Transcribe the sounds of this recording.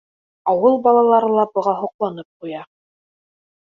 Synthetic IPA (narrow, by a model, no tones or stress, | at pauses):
ɑwɤlˠbɑlˠɑlˠɑɾɤlˠɑbɤ̆ʁɑɦŏqlˠɑnɤp̚qujɑ